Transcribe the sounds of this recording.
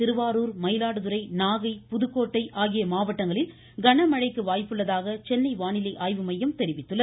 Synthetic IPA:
ɪɾɯʋaːɾuːɾmɐɪlaːɽɯðɯɾɐɪnaːɣɐɪpʊðɯkːoːʈːɐɪʔaːɣɪjɐmaːʋɐʈːɐŋɡɐɭɪl | ɡɐɳɐmɐɻɐɪkːɯʋaːjpɯɭːɐðaːɣɐt͡ʃɛnːɐɪʋaːɳɪlɐɪʔaːjʋɯmɐjːɐmt̪ɛɾɪʋɪt̪ːɯlːɐ

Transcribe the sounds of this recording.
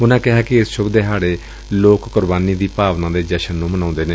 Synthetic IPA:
ʊnãːkɪɦaːkɪɪsʃʊbd̪eːɦaːɽeː | loːkːʊɾbaːniːd̪iːpaːʋnãːd̪eːd͡ʒɛːʃənːũːmənãːnd̪eːneː

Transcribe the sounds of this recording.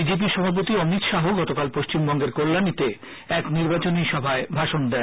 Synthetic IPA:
id͡ʑep̬iʃɔbʱap̬ot̪iɔmit̪ʃaɦoɡɔt̪okalpoʃt͡ɕimbɔŋɡeɾkolːanit̪e | ɛkniɾbat͡ɕoniʃɔbʱaebʱaʃond̪ɛn

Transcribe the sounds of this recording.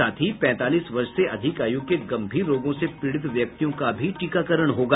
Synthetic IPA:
aːt̪ʰipɛ̃ːt̪aːliːsʋɐɾʃseʔɐd̪ʱɪkaːjuɡ̚keɡɐ̃mbʱiːɾɾoːɡõsepɪɽɪt̪ʋjɐk̚t̪ijõkabʱiʈiːkakəɾəɽ̃ɦoːɡa

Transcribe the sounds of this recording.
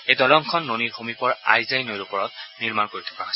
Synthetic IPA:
ejdɔlɔŋkʰɔnːoniɹxomipɔɹa̰jzajnojɹupɔɹɔtniɹmankoɹitʰɔ̥kaos

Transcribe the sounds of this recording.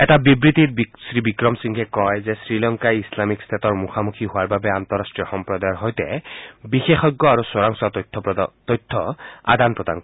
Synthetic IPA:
ɛtabibɹit̪it̚bsɹibikɹɔmsiŋkʰɛkɔjzɛsɹilɔŋkajislamikst̪ʰatɔɹmuxamukʰiɦʊaɹbabɛant̪ɔɹastɹijɔxɔmpɹɔd̪ajɔnɦɔjtɛ̰bixexɔɡːɔaɹuswɔɹaŋsattʰːpt̪ɔjtʰːɔa̰d̪anpɹɔd̪a̰ŋk

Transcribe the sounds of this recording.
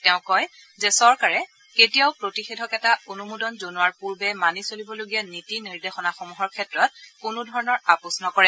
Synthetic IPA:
tɛʊ̃kɔj | zɛsɔɹkaɹɛ | ketijaʊpɹotixedʱɔkɛtaonumudɔnzonuaɹpuɹbɛmanisolibɔloɡijanitiniɹdexɔnaxɔmuɦɔɹkʰɛtɹɔt̚kunudʱɔɹɔnɔɹapɔsɔnɔkɔɹɛ

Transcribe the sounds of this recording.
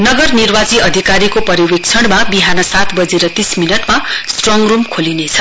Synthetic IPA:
nʌɡʌrnirbad͡ziʌd̪ʱikaɾikopʌɾiwek̚t͡sʰʌɽ̃mabiɦanʌsat̪bʌd͡zeɾʌt̪isminʌʈmasʈroŋrumkʰolinet͡sʰʌ̥

